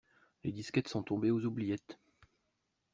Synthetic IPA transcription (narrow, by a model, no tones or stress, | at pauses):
led̪iskʲɛt̪sɔ̃t̪ɔ̃beozublijɛt̪